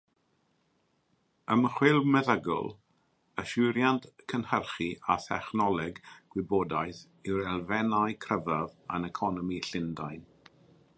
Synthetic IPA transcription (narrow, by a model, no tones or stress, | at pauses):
əməχwɪlˠmɛðəɡɔ̰lˠ | əʃɪɾjantkʰənhərχiʔaθɛχnɔlˠɛɡɡ̥wɪboːdajθ | iwɾɛlˠvɛnajkʰrəvavanɛkʰɔnɔmiɬɪndajn